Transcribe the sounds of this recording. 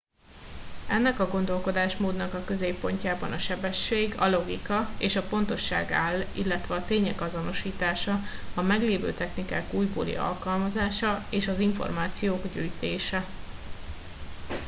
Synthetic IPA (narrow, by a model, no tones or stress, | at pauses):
ɛnːɛkɒɡo̞nd̪o̞lko̞d̪aːʃmoːd̪nɒkɒkø̞zeːpːo̞ɲcaːbɒnɒʃɛbɛʃːeːɡɒ̰lo̞ɡikɒeːʃɒpo̞nt̪o̞ʃːa̰ːɡaːlːḭlːɛt̪ʋɛɒt̪eːɲɛkɒzo̞no̞ʃiːt̪aːʃɒɒmɛɡleːvø̰ːt̪ɛxnikaːkuːjbo̰ːlḭɒ̰lkɒlmɒzaːʃɒeːʃɒziɱfo̰rmaːt̪sijoːɡɟyːjt̪eːʃɛ